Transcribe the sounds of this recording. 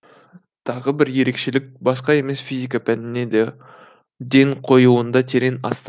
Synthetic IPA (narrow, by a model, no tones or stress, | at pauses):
t̪ʰɑʁəbɪɾje̞ɾe̞kʃe̞lɪk̚bɑsqɑe̞me̞sfijzʲijkɑpʰænɪne̞d̪e̞ | d̪e̞ɴqʰo̞juənd̪ɑt̪ʰe̞ɾe̞nɑ̰st̪